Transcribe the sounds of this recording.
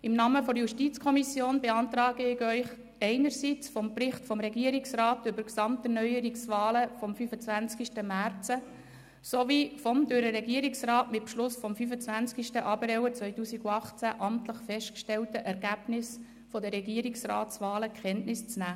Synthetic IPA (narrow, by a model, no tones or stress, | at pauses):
ɪmnɑːməfɔɾjuʃtit͡skʰɔmisjoːnbeɑnt̪ɾɑːɡəɪɡœʏχ | ɛɪnəɾsit͡sfɔmpɾɪχtfɔmɾɛɡiəɾɪksrɑːtʏbəɾksɑmtərnœʏəɾiksʋɑːləfɔmfyfət͡sʋænt͡skiʃtəmæɾt͡sə | soʋifɔmdøɾəɾɛɡiəɾɪksrɑːtmɪt̚pʃlʊsfɔmfyfət͡svænt͡skiʃtəʔɑbəɾɛwət͡sʋœʏtuːsiɡuɑχt͡sæʔɑmtləχfɛʃtkʃtɛltəʔɛɾɡæb̥nɪs | fɔd̪əɾɛɡiəɾɪksrɑ̰ːtt͡sʋɑːləkχɛntnɪst͡snæː